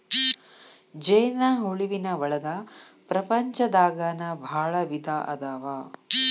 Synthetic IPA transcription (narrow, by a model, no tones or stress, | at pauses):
d͡ʒɐjnɐɦuɭiʋinɐʋɐɭɐɡ̪ɐ | pɾɐpɐɲt͡ʃɐd̪aːɡaːnɐbʱaːɭɐʋid̪aːʔɐ̰d̪aːʋaː